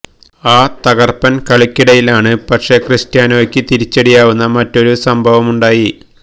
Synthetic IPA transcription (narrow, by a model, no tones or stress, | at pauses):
aːt̪ɐɣɐrpɐnkɐɭikʲːiɽɐjilaːɳɨpɐʂe̞ːkrɨstjaːnookʲːɨt̪iɾit͡ɕːeɽijaːʋunːɐmɐtːo̞ɾusɐmbʱɐʋɐmuɳɖaːji